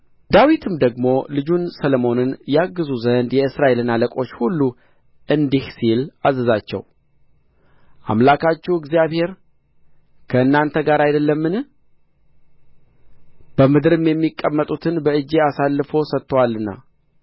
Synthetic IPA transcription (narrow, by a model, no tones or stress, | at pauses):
d̪̥awit̪ʰɨmd̪əɡmo̞lɨd͡ʒunsəlomo̞nɨnjɛaɡːɨzuzənd̪jɛɨsɾaʔe̞lɨnːaləkʼo̞t͡ʃːhulːu | ʔɨnd̪ihsilazəzat͡ʃːɛ̰w | ʔa̰mlakʰat͡ʃːuɨɡzijaβhe̞ɾ | kʰəɨnːant̪ʰəɡaɾajd̪əlːəmːɨn | b̥əmɨd̪ɨɾɨmjɛmːikʼːəmːət̪ʼut̪ʰɨnbəɨd͡ʒːe̞asalːɨfo̞sət̪ːəwalɨnːa̰